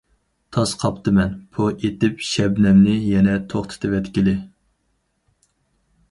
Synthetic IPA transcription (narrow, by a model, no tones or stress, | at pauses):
t̪ʰɑsqʰɑpt̪ɨmɛnpʰuʔet̪ɪpʃɛbnɛmnɪjɛnɛt̪ʰoχt̪ʰɨ̥t̪ʰɨvɛt̪kʲilɪ